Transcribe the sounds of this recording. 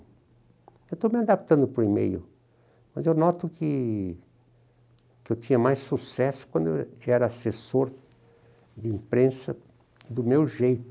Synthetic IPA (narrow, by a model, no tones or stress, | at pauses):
ewt̪owmɪad̪ap̚t̪ɐ̃nd̪ʊpʊɾimḛjʊ | mɐzewnɔt̪ʊkʰɪ | kɪewtt͡ʃ̪ĩɲɐmajsːusɛsʊ̥kwɐ̃nd̪ʊɛɾɐasesoɾ | d̪ɪĩpɾẽsɐ | d̪ʊmewʒejt̪ʊ